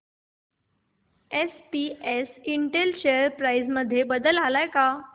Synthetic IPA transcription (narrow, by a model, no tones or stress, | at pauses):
espiesiɳʈelɕeəɾpɾajzməd̪ʱːjebəd̪əlalajka